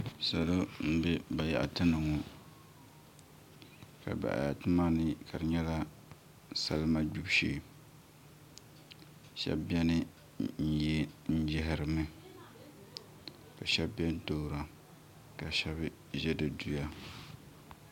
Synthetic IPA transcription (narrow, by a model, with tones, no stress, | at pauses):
sa˨lo˦m̩˦be˦ba˨ja̰˨ʔa̰˨tɨ˦nɨ˨ŋɔ˨ | ka̰˨ba̰˨ʔa̰˨ja̰˨tɨ˦ma˦nɨ˦ka˨ɾɨ˨ɲɛ˦la˦ | sa˦lma˦d͡ʒu˦bʃḛː˨ | ʃɛ̰˦bbɛ˦nɨ˦ | n̩˦jɛ˦n̩˦d͡ʒɪ˦ɦɪ˨ɾɨ˨mɨ˦ | ka˨ʃɛ˦bbɛ˦n˦to˨ɾa˨ | ka˨ʃɛ˦bɨ˦ | ʒɛ˦dɨ˨du˨ja˦